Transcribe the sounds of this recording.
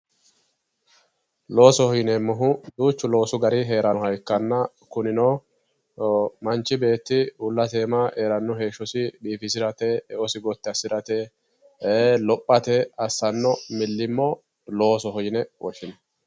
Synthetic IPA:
lo̞ːsɔhɔjɪnɛmʊɦʊd̪uːt͡ʃːʊlo̞ːsʊɡɐɾɪɦe̞ːɾɐhɐjkːɐnːɐ | kʊnɪnoː | mɐnt͡ʃːɪbe̞ːt̪ːɪʊlːɐt̪eːmɐʔeːɾɐnːʊɦe̞ːʃːʊsɪɓiːfɪs̬ɪɾɐt̪ɛɛʔɔsɪɡɔt̪ːɪɐsːɪɾɐt̪e | lɔpʼːɐt̪ɛɐsːɐnːɔmɪlːɪmːɔ | lo̞ːsɔhɔjɪnɛwʔɔʃɪnɐ

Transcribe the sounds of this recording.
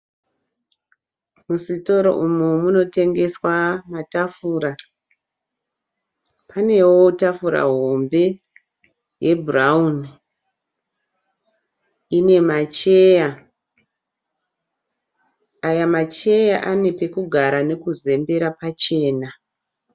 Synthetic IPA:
musito̞ɾo̞̰ʔumumuno̞te̞ŋɡe̞swamatafuːɾa | pane̞wo̞tafuɾa̰ɦo̞mbe̞ | je̞burauni | ine̞mat͡ʃeja | jamat͡ʃe̞jaʔane̞pe̞kuɡʱaɾane̞kuze̞mbe̞ɾapat͡ʃe̞ːna

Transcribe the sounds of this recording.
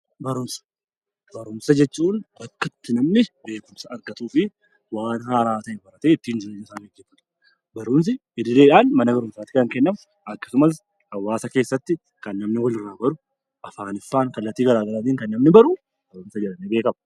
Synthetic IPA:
bɐɾʊmsɐ̥ | bɐɾʊmsɐd͡ʒɛt͡ʃːuːnbɐkːɐt̪ːɪnɐmnɪbe̞ːkʊmsɐɐɾɡɐt̪uːfɪ | waːnhaːɾaːt̪ɐʔeːbɐɾɐt̪eːɪt̪ːiːnd͡ʒɪɾɐnːɐɪsaːɡɛɡːɛfːɐt̪ʊ̥ | bɐɾʊms̬ɪɪd̪ɪleːᶑaːnmɐnɐbɐɾʊmsaːt̪ɪkɐŋkɛnːɐm | ɐkːɐ̥sʊmɐs | hɐwːaːsɐke̞ːsːɐt̪ːɪ | kɐnːɐmnɪwɔlɪrːaːbɐɾʊ | ʔɐfaːnɪfːaːŋkɐlːɐt̪ːiːɡɐlaːɡɐlaːt̪iːŋkɐnːɐmnɪbɐɾʊ | b̥ɐɾʊmsɐd͡ʒɛᶑɐnebe̞ːkɐmɐ

